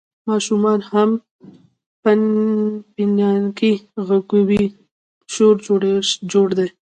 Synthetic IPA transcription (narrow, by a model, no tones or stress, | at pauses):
mɑʃumɑnham | panpinjɑnkiɣaɡuwi | ʃoɾd͡ʒoɽaʃd͡ʒoɽd̪e